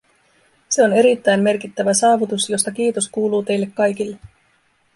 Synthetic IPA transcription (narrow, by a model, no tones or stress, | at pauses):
se̞o̞ne̞ɾit̪ːæjmme̞rk̟it̪ːæʋæsɑːʋut̪usjo̞st̪ɑk̟iːt̪o̞skuːluːt̪e̞jlːe̞kːɑjk̟ilːe̞